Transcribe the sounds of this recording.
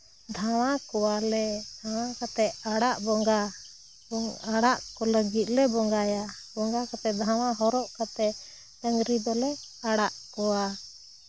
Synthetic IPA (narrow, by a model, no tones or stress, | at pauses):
d̪ʱaw̃akɔwalɛd̪ʱaw̃ãkat̪ɛʔaɽaʔbɔŋɡa | aɽaʔkɔləɡit̪̚ˀlɛbɔŋɡajabɔŋɡakat̪ɛd̪ʱawaɦɔɾɔʔkat̪ɛʔ | əŋɡɾid̪ɔlɛaɽaʔkɔwa